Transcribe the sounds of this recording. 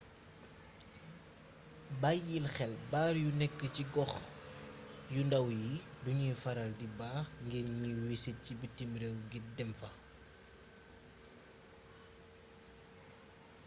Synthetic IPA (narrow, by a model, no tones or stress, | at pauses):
bajːilxɛlbaːɾjunɛkːəciɡɔx | jundɐwjiduɲiːfɐɾɐldibaːxŋɡiɾɲiwisɛcibitimɾewɡidɛmfɐ